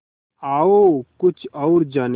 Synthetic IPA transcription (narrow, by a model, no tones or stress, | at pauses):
aːokʊt͡ʃʰɔʊɾd͡ʒan